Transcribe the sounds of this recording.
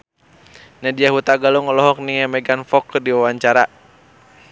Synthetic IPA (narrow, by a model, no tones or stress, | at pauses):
nadiaɦut̪aɡalɔŋɔlɔɦɔk̚niŋɛmɛɡanfɔkːɨrdiwawaɲt͡ʃaɾa